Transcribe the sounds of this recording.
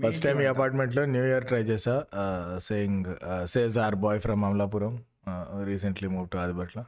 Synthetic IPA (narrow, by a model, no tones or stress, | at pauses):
pɐsʈɐjmiːɐpaːɾʈmeɳʈloːnjuːjiɐɾʈɾɐjt͡ʃeːsaːseːjiŋseːs̬aːɾbɔːjfʰɾɐmːɐmlaːpuːɾɐm | ɾiːs̬ɐɳʈlimuːʋʈuɐd̪ibɐʈlɐ